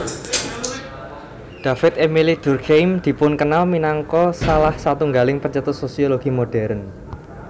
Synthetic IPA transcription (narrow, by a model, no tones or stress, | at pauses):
d̥ä̤fɪt̪emilid̪̥ṳrkejmd̪̥i̤pʊnkənalminaŋkɔsalahsat̪uŋɡalɪŋpərt͡ʃət̪ʊt̪sosioloɡ̥imoɖ̥ɛ̤ɾən